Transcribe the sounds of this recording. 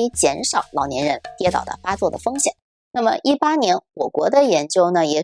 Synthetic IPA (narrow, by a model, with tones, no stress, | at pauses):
i˧˥t͡ɕjɛ˧˥nʂɑ˨˩ʊlɑ˨˩ʊnjɛ˧˥nɻə˧˥nt̪jɛ˧˥t̪ɑ̰˨˩ʊd̪ə̰˦fa˥t͡swɔ˥˩d̪ə̰˩fɤ˥ŋɕjɛ˨˩˦ŋ | na˥˩mə˨˩ʔi˥˩pa˥njɛ˧˥nwɔ˨˩kwɔ˧˥d̪ə˧jɛ˧˥nt͡ɕjo˥ʊnə˨jɛ˨˩